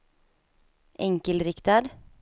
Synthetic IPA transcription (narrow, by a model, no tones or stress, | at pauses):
ʔɛŋkəlɾɪkt̪ɑɖ